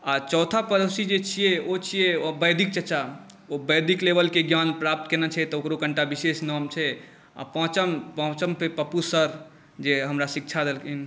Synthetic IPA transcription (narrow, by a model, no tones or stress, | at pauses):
at͡ʃɔʊt̪ʰapəɾəsid͡ʒet͡ʃʰijeot͡ʃʰijeobəjd̪ʱik̚t͡ʃət͡ʃa | obəjd̪ʱiklebəlkeɡjanpɾap̚t̪kenɛt͡ʃʰɛt̪ɔokɾokəɳʈabisesnɔmt͡ʃʰɛ | a̰pə̃ɦt͡ʃəmpəɦt͡ʃəmpʰepəpusəɾ | d͡ʒeɦəmɾasikt͡ʃʰad̪elkʰin